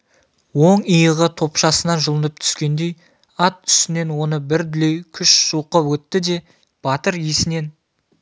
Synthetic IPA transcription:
wo̞ɴijəʁət̪ʰo̞pʃɑsənɑnʒəlˠənəp̚t̪ʰʏ̥skʲe̞nd̪e̞j | ɑt̪̚ʏ̥st̪ɪne̞nwo̞nəbɪɾd̪ɪlejkʲʰʏʃsuqəpwɵt̪ːɪd̪e̞ | b̥ɑt̪əɾjesɪne̞n

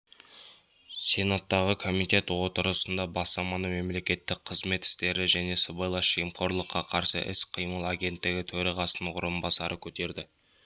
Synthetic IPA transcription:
se̞nat̪ːɑʁəkʰo̞mit̪e̞t̪wo̞t̪əɾəsənd̪ɑbɑsɑmɑnəme̞mle̞kʲe̞t̪ːɪk̚qʰəzme̞t̪ɪ̥st̪e̞ɾɪʒæne̞səbɑjlˠɑʃijəmqʰo̞ɾlˠəqʰːɑqʰɑɾsə̰ʔɪ̰sqʰəjməlˠaɡʲe̞nt̪ːɪɡʲɪt̪ʰɵɾɑʁɑsənʊɾəmbɑsɑɾʔəkʲʰɵt̪e̞ɾd̪ɪ

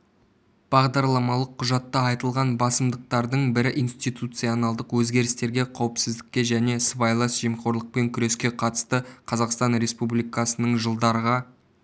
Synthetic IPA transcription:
b̥ɑʁd̪ɑɾlˠɑmɑlˠəqʰːʊʒɑt̪ːɑɑjt̪əlˠʁɑnbɑsəmd̪əq̚t̪ɑɾd̪əɴbɪɾɪʔinst̪ijt̪ut̪sijonɑlˠd̪əqwɵzɡʲe̞ɾɪst̪e̞ɾɡʲe̞qʰɑwəpsɪzd̪ɪkʲːe̞ʒæne̞svɑjlˠɑsʒ̥emqo̞ɾlˠəq̚pe̞ŋkʲʰʏɾe̞skʲe̞qʰɑt̪ə̥st̪əqʰɑzɑqst̪ɑnɾe̞spublijkɑsənəɴʒəlˠd̪ɑɾəʁɑ

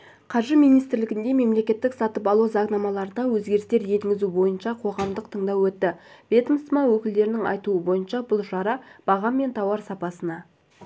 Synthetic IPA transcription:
qʰɑɾʒəmijnijst̪ɪɾlɪɡʲɪnd̪e̞me̞mle̞kʲe̞t̪ːɪksɑt̪əpɑlˠuzɑʁnɑmɑlˠɑɾəd̪ɑwɵzɡʲe̞ɾɪst̪e̞ɾje̞ŋɡʲɪzubo̞jənʃɑqʰo̞ʁɑmd̪əqt̪ʰəɴd̪ɑwɵt̪ːɪb̥e̞t̪mst̪mɑwɵkʲɪld̪e̞ɾɪnɪŋɑ̰jt̪uəbo̞jənʃɑbʊlˠʃɑɾɑb̥ɑʁɑmːe̞nt̪ʰɑwɑɾsɑpɑsənɑ

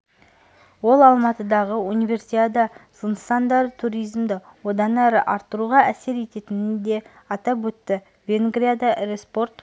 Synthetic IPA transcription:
wo̞lˠɑlˠmɑt̪əd̪ɑʁəunijvʲe̞rsijad̪ɑzənsɑnd̪ɑɾət̪ʰuɾijzmd̪ɪwo̞d̪ɑnæɾə̰ʔɑɾt̪ːəɾuʁɑʔæse̞ɾe̞t̪e̞t̪ɪnɪnd̪e̞ | ɑt̪ɑpwɵt̪ːɪ | vʲe̞ŋɡɾʲijad̪ɑɾe̞spo̞rt̪

